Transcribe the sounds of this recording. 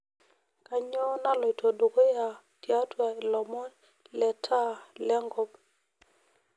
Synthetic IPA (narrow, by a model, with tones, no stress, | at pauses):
ka˨ɲo˦na˦lɔ˨i˨to˨do˨ko˦ja˨ | tja˦twa˨i˨lɔ˨mɔ˦ | lɛ˨tʰa˦lɛ˦ŋɡɔ˦b